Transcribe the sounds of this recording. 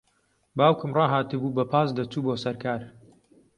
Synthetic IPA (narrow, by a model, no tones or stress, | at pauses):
baːwkɨmrɑːɦaːt̪ɨbuːbɐpʰaːsd̪ɐt͡ʃuːboːsɐɾkaːɾ